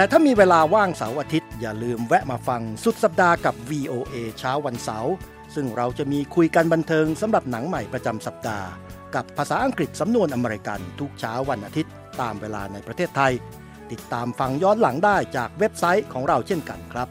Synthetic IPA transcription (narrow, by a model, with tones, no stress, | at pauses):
t̪ɛː˨˩t̪ʰaː˥˩miː˧weː˧laː˧waː˥˩ŋsa̰˩˦wʔaː˧t̪ʰi˦˥t̪̚jaː˨˩lɯː˧mwɛ˦˥ʔmaː˧fa˧ŋsu˨˩t̪̚sa˨˩p̚daː˧ka˨˩p̚wiː˧ʔoː˧ʔeː˧t͡ɕʰaː˦˥wːa˧nsa̰˩˦w | sɯ˥˩ŋɾa˧wt͡ɕa˨˩miː˧kʰu˧jka˧nba˧nt̪ʰɤː˧ŋsa˨˩˦mɾa˨˩p̚na˩˦ŋma˨˩jpɾa˧t͡ɕa˧msa˨˩p̚da̰ː˧ka˨˩pʰːaː˧saː˩˦ʔa˧ŋkɾi˨˩t̪̚sa˩˦mnu˧ənʔa˧meː˧ɾi˧ka̰˧nt̪ʰu˦˥k̚t͡ɕʰaː˦˥wːa˧nʔaː˧t̪ʰi˦˥t̪ːaː˧mweː˧la̰ː˧na˧jpɾa˧t̪ʰeː˥˩t̪ʰːa˧j | t̪i˨˩t̪ːaː˧mfa˧ŋjɔː˦˥nla˨˩˦ŋdaː˥˩jt͡ɕaː˨˩k̚we˦˥p̚sa˦˥jkʰɔː˩˦ŋɾa˧wt͡ɕʰe˥˩nka̰˧nkʰɾa˦˥p̚